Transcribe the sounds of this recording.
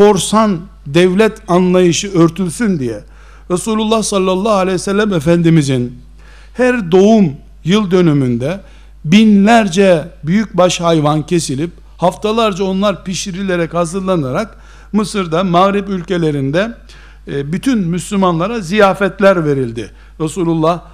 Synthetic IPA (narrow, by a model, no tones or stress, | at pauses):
fo̞ɾsan | d̪ɛvlʲɛt̪ʰanlˠajɯʃɯøɾt̪ʰylʲsynd̪ijɛ | ɾasuːlʲulˠːahsalːalˠːaalʲɛjsɛlʲːæmɛfænd̪imizin | hæɾd̪o̞um | jɯlˠd̪ø̞nymynd̪ɛ | binlʲæɾd͡ʒɛbyjyc̚baʃhajvancʰe̞silʲip | haft̪ʰalˠaɾd͡ʒao̞nlˠaɾpiʃiɾilʲe̞ɾɛchazɯɾlˠanaɾak | mɯsɯɾd̪amaɣɾipylʲce̞lʲe̞ɾind̪ɛ | byt̪ʰynmyslʲymanlˠaɾazijaːfɛt̪lʲæɾve̞ɾilʲd̪ɪ | ɾasuːlʲulˠːah